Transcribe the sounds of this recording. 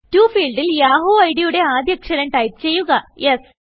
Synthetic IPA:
tuːfiːɭɖiljaːɦoːɐjɽijuɽe̞aːd̪jɐkʂɐɾɐɳʈɐjt͡ɕe̞jːuɣɐjʔes

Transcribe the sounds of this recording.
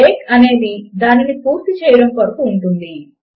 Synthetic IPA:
eːkɐne̞ːd̪id̪aːninipuːɾt̪it͡ʃɛːjɐɽɐmkɐɾɐkuːɳʈund̪i

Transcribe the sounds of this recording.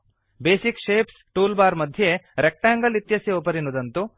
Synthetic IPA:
beːsikʃeːpsʈuːlbaːɾmɐd̪ʱjeɾek̚ʈaːŋɡɐlit̪jɐsjeopɐɾinud̪ɐnt̪u

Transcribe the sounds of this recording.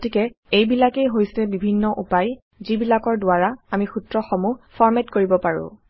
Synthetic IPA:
otikɛ | ejbilakejɦojsɛbibʱinːɔʔupaj | zibilakɔɹdʊaɹaamixutɹɔxɔmufʰɔɹmɛtkoɹibɔpaɹʊ̰̃

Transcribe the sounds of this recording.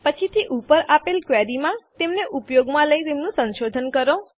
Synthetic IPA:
pət͡ʃʰit̪ʰiʔupəɾapelkʋɛɾimãt̪emneʔupjoɡmãləit̪emnũsə̃nʃod̪ʱənkəɾo

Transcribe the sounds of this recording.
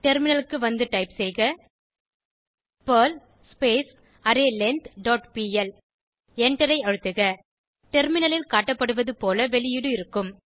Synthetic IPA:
ʈɛɾmɪnɐlɯkːɯʋɐnd̪ɯʈɐɪpsɛjɣɐ | pɐːl | speːs | ɐɾeːlɛnt̪ɖoːʈpiːɛl | ɛɳʈɐɾɐɪɐɻɯt̪ːɯɣɐ | ʈɛɾmɪnɐlɪlkaːʈːɐpːɐɽɯʋɐðɯpoːlɐʋɛlɪjɪɽɯɪɾɯkːɯm

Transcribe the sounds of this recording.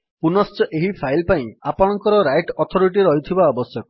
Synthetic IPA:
punɔst͡ʃɔʔeɦipʰajlpaĩapɔɽ̃ɔŋkɔɾɔɾajʈɔt̪ʰɔɾiʈiɾɔɦit̪ʰibaɔbɔsjɔkɔ

